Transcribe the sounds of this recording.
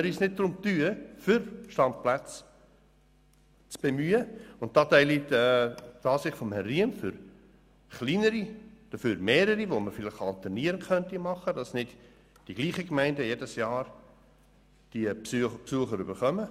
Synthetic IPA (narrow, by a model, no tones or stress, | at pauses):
əɾisnɪt̚d̪ɾʊmt̪yːəfʏɾʃtɑmplæt͡s | t͡sb̥emyːəʊnt̚d̥ɑːt̪æɪlitɛd̥ɑːsɪχfɔmhɛrːiəmfʏɾ | χliːnəɾid̥əføːɾmeːɾəɾiʋoməɾfɪlɪχɑlt̪ɛniəɾənkʰχœntimɑχədɑsnɪt | d̥iɡ̥liːχəkmæɪndəjedəsjɑːɾ | d̥iəpsuəχəɾybəɾχœmə